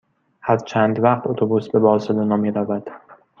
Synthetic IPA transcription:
hæɾt͡ʃʰænd̪væqt̪ʰot̪ʰobusbe̞bɒːselonɒːmiːɾævæd̪̥

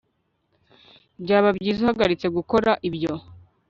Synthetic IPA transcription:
bɟaːβabɟiːzuhaɡaɾit͡se̞ɡuko̞ɾaʔibɟo̞

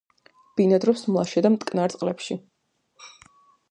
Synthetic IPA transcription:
b̥inad̪ɾɔpsmlˠaʃɛd̪amt̪ʼkʼnaɾt̪sʼqʼlɛpʃi

